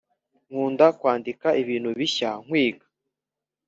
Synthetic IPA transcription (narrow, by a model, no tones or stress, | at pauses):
ŋ̥uːndakwaːndikaʔiβiːnhuβiçaŋ̥wiːɡḁ